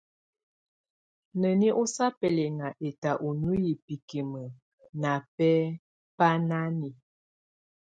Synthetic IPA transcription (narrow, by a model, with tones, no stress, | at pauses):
nə˨ni˦ʔo˦sa˦pɛ˨lɛ˨ŋa˨ʔe˨ta˨ʔo˨nu˦ji˨pi˨ki˨mə˨ | na˨pɛ˦ | pa˦na˦ni˨